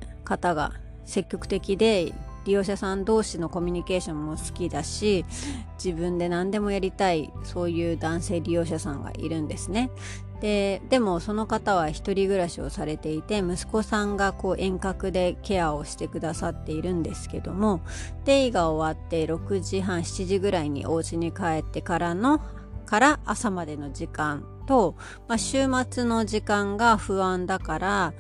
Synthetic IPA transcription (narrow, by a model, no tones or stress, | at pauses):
kat̪aɡa̰ | se̞kʲːo̞kɯ̟̥t̪e̞kʲid̪e̞ɾʲijo̞ːɕasãnd̪o̞ːɕino̞ko̞mʲiɲ̟ike̞ːɕõ̞mːo̞sɨ̥kʲid̪aɕid͡ʑibɯ̟̃nd̪e̞nãnd̪e̞mo̞jaɾʲit̪aiso̞ːjɯ̟ːd̪ãɰ̃se̞ːɾʲijo̞ːɕasãŋɡa̰ʔḭɾɯ̟̃nd̪e̞sɨne̞ | d̪̥e̞d̪e̞mo̞so̞no̞kat̪aβ̞açi̥t̪o̞ɾʲiɡɯ̟ɾaɕio̞̰saɾe̞t̪e̞it̪e̞mɯ̟sɨ̥ko̞sãŋɡako̞ːʔẽ̞ŋkakɯ̟d̪e̞ke̞ao̞ɕi̥t̪e̞kɯ̟d̪asat̪ːe̞iɾɯ̟̃nd̪e̞sɨ̥ke̞d̪o̞mo̞t̪e̞iɡao̞βat̪ːe̞ɾo̞kɯ̟ʑiɦãɰ̃ɕi̥t͡ɕiʑiɡɯ̟ɾaiɲ̟ḭʔo̞ːt͡ɕiɲ̟ikae̞t̪ːe̞kaɾano̞ | kaɾaʔːsamad̪e̞no̞d͡ʑikãn | t̪o̞ | maɕɨːmat͡sɨno̞ʑikãŋɡaɸɯ̟βãnd̪akaɾa